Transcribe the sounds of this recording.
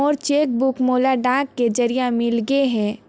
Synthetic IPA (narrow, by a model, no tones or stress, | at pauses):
ɔːɾt͡ʃeːk̚bʊkmoːlaɖãːkːed͡ʒəɾijamɪlɡeɦɛ̃ː